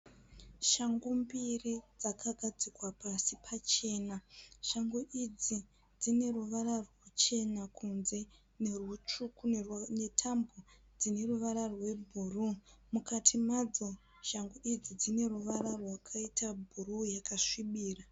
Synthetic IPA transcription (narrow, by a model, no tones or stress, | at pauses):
ʃaŋɡumbirid͡zakʰaɡʱad͡zikwapasipʰat͡ʃe̞ːnaʃaŋɡoʔid͡zi | d͡zine̞ruʋararwat͡ʃe̞nakʰunze̞ | nerut͡ʃukune̞tʰambo | d͡zine̞ruʋararwe̞bʱurumukatʰimad͡zo̞ | ʃaŋɡoʔid͡zid͡zine̞ruʋararwakʰaitabʱurujakaʂiɓiːra